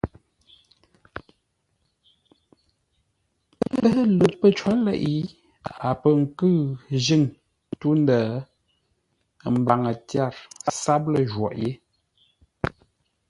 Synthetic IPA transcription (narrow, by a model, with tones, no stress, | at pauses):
hə˦lə˨pːə˦t͡ʃwa˦lɛ̰˦˨ʔi˦ | a˨pə˦ŋ̩˨kɨ˦ʒi˦˨ŋ | tu˦n˦də˨ | m̩˨ba˨ŋə˨tja˦˨ɾsa˦p̚lə˦ʒwɔ̰˨ʔje˦